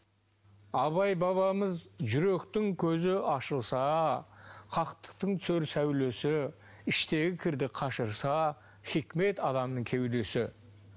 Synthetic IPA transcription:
ɑβɑjbɑβɑməzʒʏɾe̞kt̪ɪŋkʲʰɵzɪɑʃəlˠsɑ | qʰɑqt̪ə̥q̚t̪əɴt̪søɾsæwle̞sɪ | ɪʃt̪e̞ɡʲɪkʲʰɪɾd̪ɪqʰɑʃəɾsɑ | χikʲme̞t̪ɑd̪ɑmnəɴkʲʰewd̪e̞sɪ

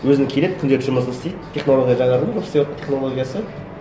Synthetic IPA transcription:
wɵzɪnkʲʰele̥kʲʰʏnd̪e̞ɾɪtʒʊməsənɪst̪ejd̪t̪ʰʲːe̞χno̞lˠoɡʲijaʒɑɴɑɾəlˠʒopseot̪ːət̪ʲʰe̞χnolˠo̞ɡʲijasə

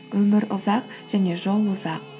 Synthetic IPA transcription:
wɵmɪɾʊzɑq | ʒ̥æne̞ʒo̞lˠʊzɑq̚

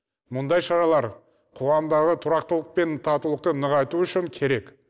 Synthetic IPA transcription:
mʊnd̪ɑjʃɑɾɑlˠɑɾ | qʰoʁɑmd̪ɑʁət̪ʰʊɾɑqt̪əlˠəq̚pe̞nt̪ʰɑt̪ulˠəq̚t̪ənəʁɑjt̪uʏʃɪŋkʲʰe̞ɾe̞k

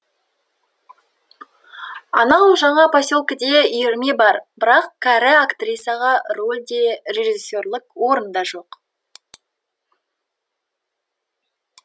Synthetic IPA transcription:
ɑnɑwʒɑɴɑpʰosʲolˠkəd̪eʏjɪɾme̞bɑɾbɪɾɑqkʰæɾɪakt̪rʲijsjɑʁɑɾo̞lʲd̪e̞ɾe̞ʒisʲːo̞rlˠɪkwo̞ɾənd̪ɑʒo̞q

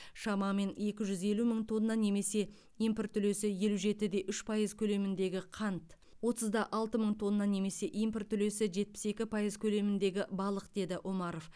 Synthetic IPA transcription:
ʃɑmɑme̞ne̞kʲɪʒʏze̞luməɴt̪ʰo̞nːɑne̞me̞se̞ | ijmprt̪ʰːʏle̞sɪje̞luʒe̞t̪ɪd̪e̞ʔʏʃpʰɑjəzkʲʰɵle̞mɪnd̪e̞ɡʲɪqʰɑnt̪ | wo̞t̪əzd̪ɑʔɑlˠt̪əməɴt̪ʰo̞nːɑne̞me̞se̞ʔimprt̪ʰːʏle̞sɪʒe̞t̪̚pɪ̥se̞kʲɪpʰɑjəzkʲʰɵle̞mɪnd̪e̞ɡʲɪbɑlˠəqd̪e̞d̪ɪʔo̞mɑɾo̞f

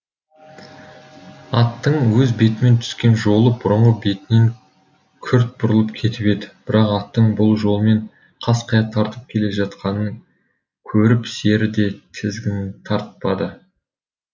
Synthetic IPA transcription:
ɑt̪ːəɴwɵzbe̞t̪ɪme̞nt̪ʰʏ̥skʲe̞nʒo̞lˠəbʊɾəɴʁəbe̞t̪ɪneŋ | kʲʰʏɾt̪̚bʊɾəlˠəpkʲʰe̞t̪ɪpe̞d̪ɪb̥ɪɾɑqɑt̪ːəɴbʊlˠʒo̞lˠme̞ɴ | qʰɑsqʰɑjɑt̪ʰɑɾt̪əp̚kʲʰe̞le̞ʒɑt̪qɑnəɴ | kʲʰɵɾɪpse̞ɾɪd̪e̞t̪ʰɪzɡʲɪnɪnt̪ʰɑɾt̪pɑd̪ə

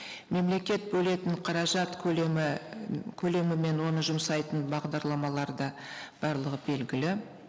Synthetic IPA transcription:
me̞mle̞kʲe̞t̪̚bɵle̞t̪ɪɴqʰɑɾɑʒɑt̪kʲʰ | kʲʰɵle̞mɪme̞nwo̞nəʒʊmsɑjt̪ənbɑʁd̪ɑɾlˠɑmɑlˠɑɾd̪ɑ | b̥ɑɾlˠəʁəbe̞lɡʲɪlɪ

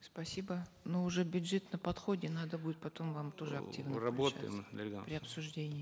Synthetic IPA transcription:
spɐsʲibənuʊʐɛbʲʊdʐɛt̪nəpɐt̪xo̞dʲɪnad̪əbudʲɪt̪pɐt̪o̞mvamt̪oʐɨɐ̰k̚tʲivnrɐbot̪ə̰mʲɡapɾʲɪɐpsʊʐdʲenʲɪjɪ

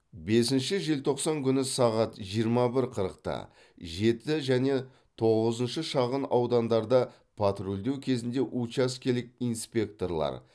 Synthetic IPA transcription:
be̞sɪnʃɪʒe̞lt̪ʰo̞qsɑŋkʲʰʏnɪsɑʁɑt̪ʒijəɾmɑbɪɾqʰəɾəq̚t̪ɑ̰ | ʒe̞t̪ɪʒæne̞ | t̪ʰo̞ʁəzənʃəʃɑʁənɑwd̪ɑnd̪ɑɾd̪ə | pʰat̪ɾuld̪e̞wkʲʰe̞zɪnd̪e̞ʔut͡ʃɑskʲʰe̞lɪk̚ʲijnspʲe̞k̚t̪o̞rlˠɑ̰ɾ

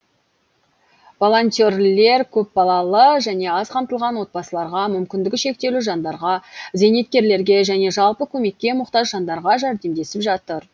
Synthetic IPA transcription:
vo̞lˠo̞nʲt̪orle̞ɾkʲʰɵp̚bɑlˠɑlˠəʒæne̞ɑzqʰɑmt̪əlˠʁɑnwo̞t̪̚bɑsəlˠɑɾʁɑmʏmkʲɪnd̪ɪɡʲɪʃe̞k̚t̪e̞luʒɑnd̪ɑɾʁɑze̞net̪̚kʲe̞ɾle̞ɾɡʲe̞ʒæne̞ʒɑlˠpəkʲʰɵme̞kʲːe̞mʊqt̪ɑʒʒɑnd̪ɑɾʁɑʒæɾd̪e̞md̪e̞sɪpʒɑt̪əɾ

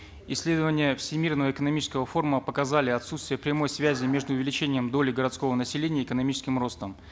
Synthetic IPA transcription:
ɪsʲːlʲe̞d̪əvənʲɪjəfsʲɪmʲirnəvəɪkənɐmʲit͡ɕɪskəvəfo̞rməpəkɐzalʲɪɐt̪sut̪st̪vʲɪjəpɾʲɪmo̞jsvʲæzʲɪmʲe̞ʐd̪ʊʊvʲɪlʲɪt͡ɕenʲɪjəmd̪o̞lʲɪɡəɾɐt̪sko̞vənəsʲɪlʲenʲɪjəɪkənɐmʲit͡ɕɪskʲɪmro̞st̪əm

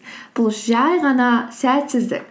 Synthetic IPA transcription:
b̥ʊlˠʃʒɑjʁɑnɑsæt̪sɪzd̪ɪ̰k̚ʲ

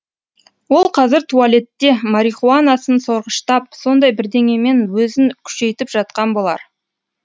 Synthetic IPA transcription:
wo̞lˠqʰɑzɪɾt̪ʰualʲe̞t̪ːe̞maɾiχuanasənso̞ɾʁəʃt̪ɑp̚so̞nd̪ɑjbɪɾd̪e̞ŋe̞me̞nwɵzɪŋkʲʰʏ̥ʃe̞jt̪ɪpʒ̥ɑt̪̚qɑnbo̞lˠɑ̰ɾ

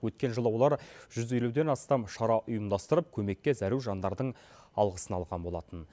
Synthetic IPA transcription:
wɵt̪kʲe̞nʒəlˠəwo̞lˠɑɾʒ̥ʏze̞lud̪e̞nɑst̪ɑmʃɑɾɑʔʊjəmd̪ɑst̪əɾəp̚kʲʰɵme̞kʲːe̞zæɾuwʒɑnd̪ɑɾd̪əɴ | ɑlˠʁəsənɑlˠʁɑnbo̞lˠɑt̪ən

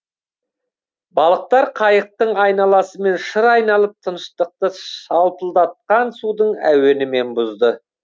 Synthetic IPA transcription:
bɑlˠəq̚t̪ɑɾqʰɑjəq̚t̪əɴɑjnɑlˠɑsəme̞nʃəɾɑjnɑlˠəp̚t̪ʰənəʃt̪əq̚t̪əʃɑlˠpəlˠd̪ɑt̪̚qɑnsud̪əɴæ̰we̞nɪme̞nbʊzd̪ə

